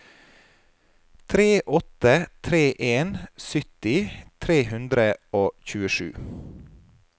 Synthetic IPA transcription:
t̪ʰɾeːʔɔt̪ət̪ʰɾeːʔeːnsʏt̪ɪt̪ʰɾeːhʉnd̪ɾəoːçʉːəʃʉ̰ː

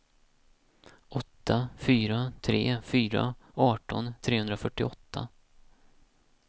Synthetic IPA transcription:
ʔɔt̪ʰːafyːɾat̪ʰɾḛːfyːɾa̰ɑːʈɔ̰nt̪ʰɾeːɵnd̪ɾafœʈːɪɔt̪ʰːa̰

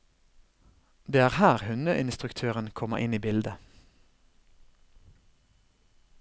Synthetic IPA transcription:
d̪eːæːʁhæːʁhʉnəʔɪnst̪ʁʉkt̪ʰøːʁənkʰɔmə̰ʔɪniːbɪld̪ə

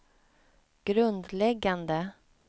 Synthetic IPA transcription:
ɡ̥ɾɵnd̪lɛɡːand̪ə

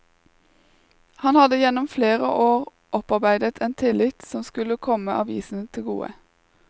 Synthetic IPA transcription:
hɑnhɑd̪əjɛnɔmfleːʁə̰ʔoːʁ | ʔɔpɑʁbæɪd̪ət̪ʰeːnt̪ʰɪlɪt̪sɔmskʉləkʰɔməʔɑːʋiːsn̩t̪ʰɪlɡṵːə̰

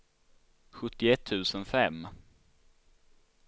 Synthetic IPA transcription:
ɧɵt̪ːɪɛt̪ʰːʉ̟ːsənfɛmː

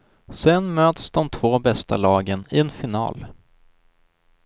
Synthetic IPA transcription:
sɛnmøːt̪sd̪ɔmt̪ʰv̥oːbɛst̪a̰lɑːɡənɪɛnfɪnɑ̰ːl

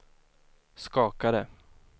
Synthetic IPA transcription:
skɑːkaɾə

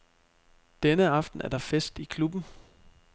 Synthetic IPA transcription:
d̥enəɑ̈fd̥n̩ʔæɐd̥ɑ̈fesd̥ikʰlub̥n̩

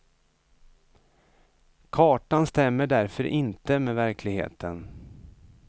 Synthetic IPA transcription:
kʰɑːʈanst̪ɛmːəɖæɾfœɾʔɪnt̪əmeːvæɾkʰlɪɡhḛːt̪ʰən

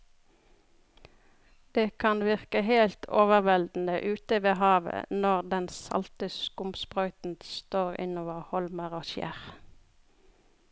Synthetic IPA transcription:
d̪̥eːkʰɑnʋɪʁkəheːlt̪ʰoːʋəʁʋɛld̪n̩əʔʉːt̪əʋeːhɑːʋə̰nɔʁd̪ɛnsɑ̰lt̪əskʊmspʁœʏt̪n̩st̪oːʁɪ̰noːʋəʁhɔlməʁoːʃjæ̰ʁ

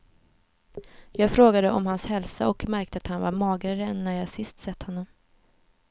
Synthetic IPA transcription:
jɑːɡfɾoːɡad̪əʔɔ̰mhanshɛlsa̰ɔkmæɾk̚t̪əat̪hanvaɾmɑːɡɾaɾɛnːæɾjɑːɡsɪst̪sɛt̪hɔnːɔm

